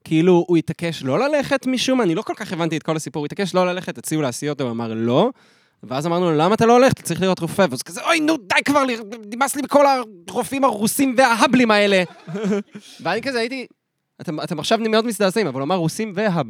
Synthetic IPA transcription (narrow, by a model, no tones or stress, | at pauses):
kʰiiluːit̪ake̞ʃlo̞lale̞χet̪miʃumanilo̞ko̞lkaχe̞vantiet̪̚ko̞lhasipuuit̪ake̞ʃlo̞lale̞χet̪at͡siulasiotauamaʁlo̞ | veazamaʁnulamaːt̪aloaleχett͡saʁiχliʁo̞t̪ʁofevzkazeʔojnud̪ajkvaʁlinimaslimiko̞laʁofimaʁusimveaɦablimae̞le̞ | veanikazeaiti | at̪emat̪emaχʃavnimeotmisd̪aːzaimavaluamaʁːusimveɦab